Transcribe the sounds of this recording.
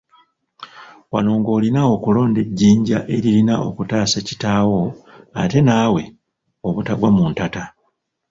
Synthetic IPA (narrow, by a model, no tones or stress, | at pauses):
wa̰no̞ŋɡo̞ːlinao̞kulo̞ːnde̞ɟːiːɲɟaʔe̞ɾilinaʔo̞̰kutaːsaci̥taːwo̞ate̞naːwe̞ | o̞βutaɡwamuntata